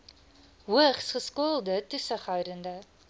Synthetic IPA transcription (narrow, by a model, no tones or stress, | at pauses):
wəχsχəskolˠd̪ət̪ysəχɑjɾənd̪ə